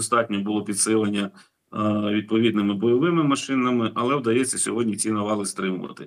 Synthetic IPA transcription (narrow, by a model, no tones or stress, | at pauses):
st̪ɑtʲnʲɔbʊlˠɔpʲid̪sɪlˠɐnʲːɐ | ʋʲid̪̚pɔʋʲid̪nɪmɪbɔjɔʋɪmɪmɐʃɪnɐmɪʔɐlˠɛwd̪ɐjɛt͡sʲːɐsʲɔɦɔdʲnʲit͡sʲinɐʋɑlˠɪst̪ɾɪmʊʋɐ̰t̪ɪ̰